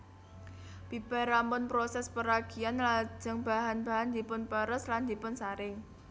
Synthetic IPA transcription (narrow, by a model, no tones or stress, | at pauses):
b̥ib̥aɾampʊnpɾosɛspəɾaɡ̥ianlḁd͡ʒ̥ə̤ŋb̥aɦanba̤ɦand̪ipʊnpəɾəsland̪ipʊnsaɾɪŋ